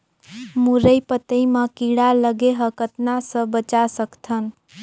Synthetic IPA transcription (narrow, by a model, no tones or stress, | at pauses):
muɾəjpət̪əimakiɽaləɡeɦəkət̪nasə̃bət͡ʃasəkt̪ʰən